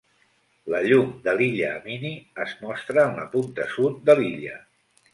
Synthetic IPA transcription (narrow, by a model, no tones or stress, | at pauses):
ləʎumd̪əliʎəːminiəzmɔst̪ɾəːnləpunt̪əsut̪̚d̪əliʎə